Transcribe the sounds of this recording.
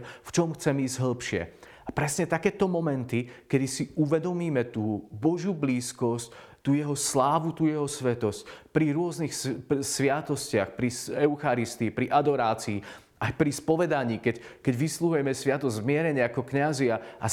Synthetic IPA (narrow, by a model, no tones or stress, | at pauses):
ft͡ʃɔmxt͡sɛmiːzɟɦl̩pʃɪɛ̰ | apɾɛsɲɛt̪akɛːt̪ɔmɔmɛnt̪ikɛd̪isiʔuʋɛd̪ɔmiːmɛt̪uːbɔʒjubliːskɔsc | t̪uːjɛɦɔslaːʋut̪uːjɛɦɔsʋɛt̪ɔscpɾiɾʊɔznixssʋɪat̪ɔscɪaxpɾisɛʊxaɾist̪iːpɾiʔad̪ɔɾaːt͡siː | ajpɾispɔʋɛd̪aɲiːkɛckɛɟʋisluɦujɛmɛsʋɪat̪ɔzʲzmɪɛɾɛɲɪaakɔkɲaziaʔa